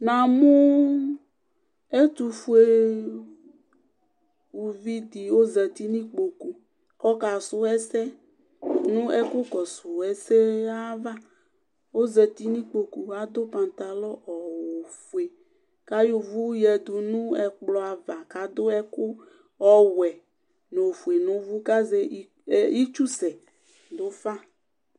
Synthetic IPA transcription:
nã˨mũ˦ | e˦t̪u˨fu˦e˦ | wu˨vi˦d̪i˨wo˦zɛ˨t̪i˦nĩ˦k͡po˨ku˨ | kɔ˦ka˨so˦ɛ˦sɛ˦ | nũ˦ɛ˦ko˦kɔ˨su˨ɛ˨se˦a˦va˦ | wo˦zɛ˨t̪i˦nĩ˦k͡po˨ku˨a˦d̪o˦pã˨nt̪a˨lɔ˦ʔɔ˨wo˨fu˨e˨ | ka˦jo˨vu˦jɛ˨d̪u˨nũ˦ɛ˨k͡plɔ˨a˨va˨ka˨d̪o˦ɛ˦ko˦ | ɔ˦wɛ˨ | nõ˨fu˨e˨nõ˨vu˦ka˦ze˦ | i˦t͡ʃu˦sɛ˨ | d̪o˦fa˦

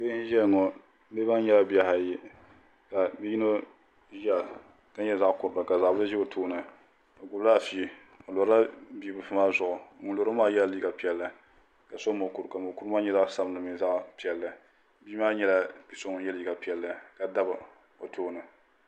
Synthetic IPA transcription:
be˦ʒɛ˦lŋɔ˨˦ | be˦ba˦ɲɛ˦la˦bi˨a˨ha˨ji˦ | ka˨bi˦ji˦no˦ | jɛ˦˨ | ka˦ɲɛ˦za˦ʔkʊ˨ɾba˨ka˨za˨ʔbɨ˦ɨ˦ʒɛ˦o˨tʰoː˦nɨ˨ | o˨ɡʊ˨bla˦˨fi˦ | o˨lo˨ɾa˦biː˦bɨ˨˦fɨ˦maː˦zʊ˨ʔʊ˨˦ŋʊ˨˦lo˨ɾo˦maː˦jɛ˦li˦ɡa˨pi˨ɛ˨lːɨ˨ | ka˨sɔ˦mo˨ku˨ɾka˨mo˨ku˦ɾmaː˦ɲɛ˦za˦ʔsa˦bnɨ˨mi˨˦za˦ʔpi˨ɛ˨lːɨ˨ | biː˦maː˦ɲɛ˦la˦bi˦sʊ˦ŋ˦jɛ˦li˨ɡa˨pi˨ɛ˨lːɨ˨ka˨da˦bɨ˨ | o˨tʰoː˦nɨ˨

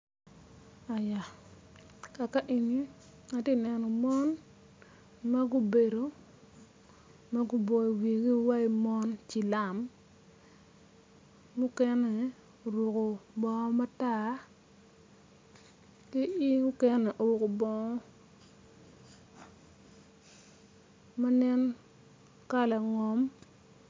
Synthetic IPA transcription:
a˨ja˨ | ka˨ka˦ʔi˨ni˦ | a˨ti˦nɛ˨nɔ˨mɔ˦n | ma˦ɡu˦be˨do˨ | ma˦ɡu˦bɔ˨i˨wi˨ɡi˦wa˦i˦mɔ˦nt͡ʃi˨la˨m | ɡu˦kɛ˦nɛ˨ | o˨ɾʊ˨ko˨bɔ˨ŋɔ˦ma˦ta˦ | ki˦i˦ɡʊ˦kɛ˦nɛ˨ʔo˨ɾʊ˨ko˨bɔ˦ŋɔ˦ | a˦nɛ˦n | ka˦la˨ŋɔ˨m

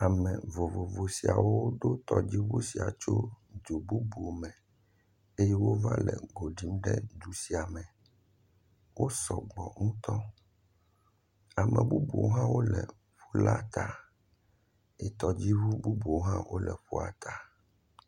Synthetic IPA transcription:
a˨mɛ̃˨vo˨vo˨vo˨si˨a̰˨wo˦ɖ̪o˦t̪ɔ˨d͡ʑi˦βu˦si˨a˨t͡ʃo˦d͡ʒu˨bu˦bo˨mɛ̃˨ | e˦jɛ˦wo˦va̰˦lɛ̰˨ɡo˨ɖi˦mɖɛ̰˦d̪u˨si˨a˨mɛ̃˨ | wo˦sɔ˨ɡ͡bɔ˨ŋũ˦t̪ɔ˦ | a˨mɛ̰̃˨bu˦bo̰˨˦ɦã˦wo˦lɛ˨ | ɸu˦la˦t̪ʰa˨ | ɛ˨t̪ɔ˨d͡ʑi˦βu˦bu˦bo˨ɦã˦wʔo˦lɛ̰˨ɸu˦a̰˨t̪ʰa˨

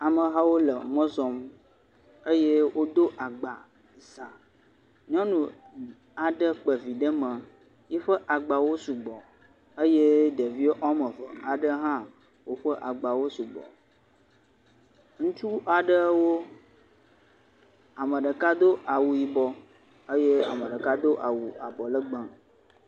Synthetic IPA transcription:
a˨mə̃˨ɦa˦wo˦lə˨mə̃˦zɔ˨m | ə˦je˦wo˦d̪o˦ʔa˨ɡ͡ba˨ | zã˨ | ɲɔ̃˦nũ˨ | a˨ɖə˦k͡pə˨vi˨ɖə˦mə̃˨ | ji˦ɸə˦ʔa˨ɡ͡ba˨wo˦su˨ɡ͡bɔ˨ | ə˦je˦ɖə˨vi˦o˦ʔɔ˦mə̃˨və˨a˨ɖə˦ɦã˦ | wo˦ɸə˦ʔa˨ɡ͡ba˨wo˦su˨ɡ͡bɔ̰˨ | ŋũ˦t͡ʃu˦ʔa˨ɖə˦wo˦ | a˨mə̃˨ɖə˨ka˦d̪o˦ʔa˨wu˨ji˨bɔ˨ | ə˦je˦a˨mə˨ɖə˨ka˦d̪o˦ʔa˨wu˨ʔa˨bɔ˨lə˦ɡ͡bə̃˨

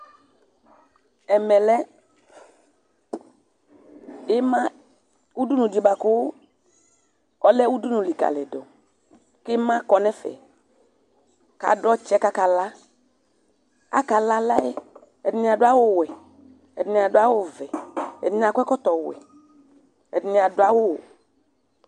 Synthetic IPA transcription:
ɛ˨mɛ˨lɛ˦ | e˦mã˦ | wu˦du˦nũ˨d͡ʒi˨ba˨kʊ˦ | ɔ˦lɛ˦wu˦du˦nũ˨li˨ka̰˨lɛ˨dɔ˨ | ke˦mã˦kɔ˨nɛ̃˦fɛ̰˨ | ka̰˨ɖɔ˦t͡ʃɛ˦ka˦ka˨la˦ | a̰˦ka˨la˦la˦e˦ | ɛ˨dnĩ˨˦a˨dʊ˦a˦wo˦˨wɛ˨ | ɛ˨dnĩ˨a˨ɖʊ˦a˦wo˦vɛ˨ɛ̰˨dn˨a˨kʷɛ˦kɔ˦t̪ɔ˨wɛ̰˨ | ɛ̰˨dni˨a˨dʊ˦a˦wo˦w

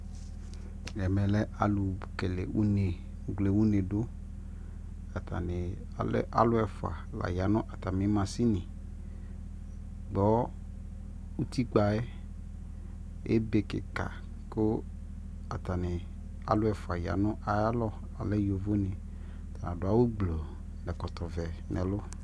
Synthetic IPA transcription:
jɛ˨mɛ̃˨lɛ˦ʔa˨lu˨bke˨lḛ˨wu˦ne˨ | u˨ɡle˨wu˦ne˨do˦ | a˨t̪a̰˨nɪ˨˦ | ʔa̰˦lʊ˦ɛ˨fʊ˨a̰˨la̰˨ja˨˦nʊ̃˦ʔa˨t̪a˨mĩ˨˦mã˨si˦nɪ̃˨ | ɡ͡bɔ˨˦ | u˦t̪i˦k͡pa˨ɛ˦ | ḛ˦be˨kɪ̰˨ka̰˨ | kʊ˦ | a˨t̪a˨nɪ˨ | a̰˨˦lʊ˦ɛ˨fʊ˨a˨ja̰˨nʊ̃˦ʔa˨ja˦lɔ˦ | a˨lɛ˦jo˨vo˦nɪ̃˨ | t̪a˨nã˨dʊ˨˦a˦wo˦ɡ͡blo˨ | lɛ˨kɔ˨t̪ɔ˨vɛ˨nɛ̰̃˨lʊ˦

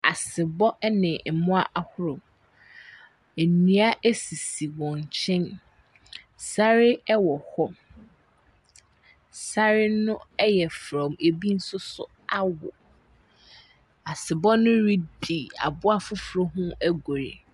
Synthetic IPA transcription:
a˨sɪ˨bɔ˦nɪ̃˨mʊ̃˦a˦ʔa˨hʊ˦ɾʊ˨m | e˨nĩ˦a˦ʔæ˦si˨si˨wɔ̃˨ɲ˨t͡ɕʰɛ̃˦n | sa˦ɾɪ˦ɛ˦wɔ˨hɔ˦ | sa˦ɾɪ˦nʊ̃˦ɛ˦jɛ˨fɾɔ̃˨me˨bi˦n̩˦sʊ˦sʊ̰˦ | a˦wɔ̰˨ | a˨sɪ˨bɔ˦nʊ̃˦ɾi˦di˨a̰˨bʊ˦a˦fʊ˦fɾɔ˦ɦʊ̃˦æ˦ɡo˨ɾe˨

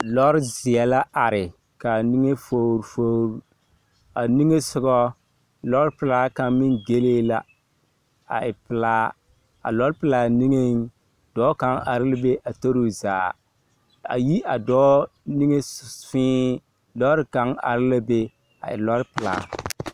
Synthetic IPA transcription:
lɔ˦ɾɪ˦zɪ˨ɛ˨la˦ʔa˨ɾɪ˨ | ka˨ni˦ŋe˦fo˦ɾfo˦ɾu˨ | a˨ni˦ŋe˦sʊ˦ɡɔ˦ | lɔ˦ɾɪ˦pɪ˨laː˦ka˨mɪ˦ŋɡe˦leː˦la˨ | a̰˨ɪ˨pɪ˨laː˦ | a̰˨lɔ˦ɾpɪ˨la˨ni˦ŋe˦ŋ˦ | d̥ɔː˨˦ka˦ŋa̰˨ɾɪ˦la˦be˦ʔa˨to˦ɾo˦za̰ː˨ | a̰˨ji˦ʔa˨dɔː˦ | ni˦ŋe˦sfɪ̃ː˦ | lɔ˦ɾɪ˦ka˦ŋa̰˨ɾɪ˦la˦be˦ | a̰˨ɪ̰˨lɔ˦ɾpɪ˨la̰ː˨

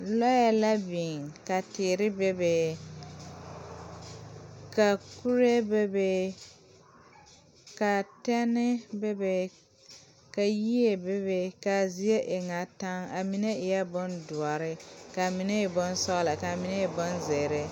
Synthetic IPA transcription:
lɔ˦ja˨la˦bi˨ŋka˨tɪː˨ɾɪ˦be˦be˨ | ka˨ku˦ɾe˦be˦be˦ | ka˨tɛ˦nɪ˦be˦be˨ | ka˨ji˦e˨be˦be˨ka˨zi˦e˦ʔɪ˨ŋa˨ta˦ŋa˨mi˨ne˦ɪ˨jɛ˦bʊ˦ndʊ˨ɔ˨ɾɪ˦ka˨mi˨ne˦ɪ˨bʊ˦n˦sɔ˦ɣla˨ka˨mi˨ne˦ɪ˨bʊ˦nze˨ɾe˦

